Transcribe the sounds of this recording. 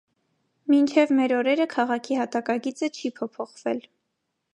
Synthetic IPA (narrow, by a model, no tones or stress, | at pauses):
mint͡ʃʰɛvmɛɾɔɾɛɾəkʰɑʁɑkʰihɑt̪ɑkɑɡit͡sət͡ʃʰipʰɔpʰɔχvɛl